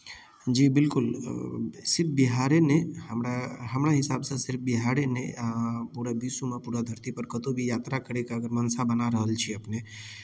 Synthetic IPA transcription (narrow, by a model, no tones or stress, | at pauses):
d͡ʒiːbɪlkʊl | sɪɾpbɪɦaːɾenehəmɾaɦɐmɾaɦɪsaːbsẽsɪɾfbɪɦaːɾenḛ̃puɾabisumãpuːɾad̪ʱəɾt̪ipəɾkɐt̪obʱijaːt̪ɾakəɾekaəɡəɾmɐnsabənaɾəɦəlt͡ʃʰiəpne